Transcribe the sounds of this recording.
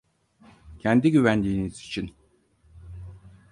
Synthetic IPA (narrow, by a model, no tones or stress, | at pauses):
cʰɛnd̪iɟyvænd̪iːniz̥it͡ʃʰin